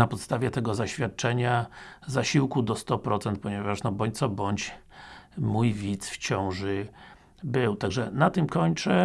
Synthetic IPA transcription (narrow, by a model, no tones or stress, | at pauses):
napɔt̪st̪avʲjɛt̪ɛɡɔzaɕfʲjat̪̚t͡ʂɛɲazaɕiwkud̪ɔst̪ɔpɾɔt̪sɛnt̪̚pɔɲɛvaʂnɔbɔɲt̪sɔbɔɲt͡ɕ | mujvʲit̪sft͡ɕɔ̃w̃ʐɘ | bɘwt̪aɡʐɛnat̪ɘmkɔɲt͡ʂɛ